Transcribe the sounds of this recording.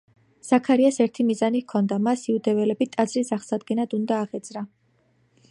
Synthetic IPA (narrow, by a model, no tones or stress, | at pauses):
z̥akʰaɾiasɛɾt̪ʰimizanikʰɔnd̪amasiud̪ɛvɛlɛbit̪ʼad̪zɾisaχsad̪̚ɡɛnad̪und̪aːʁɛd̪z̥ɾa